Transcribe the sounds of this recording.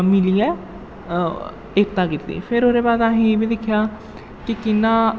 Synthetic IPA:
mɪliːɛː | ek̚t̪aːkɪt̪ːḭːpʰɪɾoːɾeːbaːd̪aːɦĩbĩːd̪ɪkʰːjaː | kɪkɪnːãː

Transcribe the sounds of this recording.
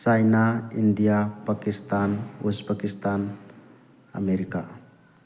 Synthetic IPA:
sajnaindijapakistʰanuspakistʰan | a̰meɾika

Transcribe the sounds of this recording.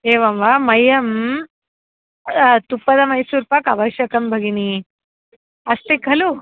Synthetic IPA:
eːʋamʋamɐjɐm | t̪upɐd̪ɐmɐjsuːɾpakɐʋɐʃjɐkɐmbʱɐɡini | ɐst̪ekːɐlu

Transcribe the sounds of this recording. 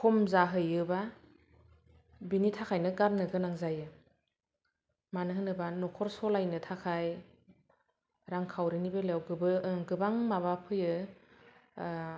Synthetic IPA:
kʰɔmzaɦɯjɯba | binitʰakʰajnɯɡaɾnɯɡɯnaŋzajɯ | manɯɦɯnɯbanɔkʰɔɾsɔlajnɯtʰakʰaj | ɾaŋkʰawɾinibelewɡɯbɯɡɯbaŋmaβapʰɯjɯ

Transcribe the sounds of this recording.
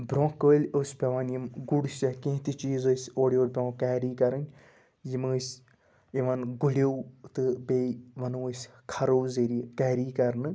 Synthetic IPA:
bɾõːkəːlʲosʲpʲɐʋɐnjimɡuɽusʲɐkẽɦt̪it͡ʃiːzosʲoːɽʲijoːɾʲpʲɐɐkaːɾiːkɐɾɨnʲ | jimɨːsʲ | iʋɐnɡuɽʲewt̪ɨbeʋɐnoːsʲkʰɐɾoːzeɾikaːɾiːkɐɾnɨ

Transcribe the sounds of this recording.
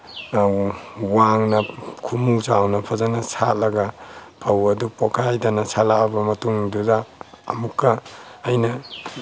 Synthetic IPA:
waŋnɐkʰumusawnɐpʰazanasalɐɡapʰawɐdupɔkʰajdanasalaːbɐmɐtuŋduza̰ː | mukːaːjna

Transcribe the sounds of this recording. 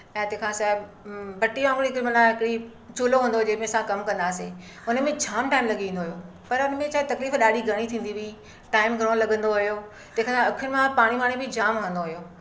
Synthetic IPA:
ɛ̃ːt̪ẽːkʰãsaːɦɪb | bɐʈiãːŋɡɽiɪkɾimɐnãɦɪkɪɽi | t͡ɕuːloɦũːnd̪od͡ʑeːmẽɐsãkɐmkɐ̃nd̪aːse | ʊnəmẽd͡ʑʰʱaːmʈaːɪmlɐɡʱiĩːnd̪oːɦjoː | pɐɾʊnẽt͡ɕaːɪt̪ɐkliːfɗaːɗiɡʱɐɽ̃it̪ʰĩːn̆d̪ibi | ʈaːɪmɡʱɐɽ̃õlɐɠə̃nd̪oɦʊjo | t̪ẽːkʰãsaɐkʰɪnmãpaːɽ̃imaːɽ̃ĩbʱɪd͡ʑaːmɐɦə̃nd̪oɦʊjoː

